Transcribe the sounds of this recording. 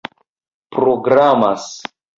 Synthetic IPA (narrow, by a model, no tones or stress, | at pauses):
pɾoɡɾamas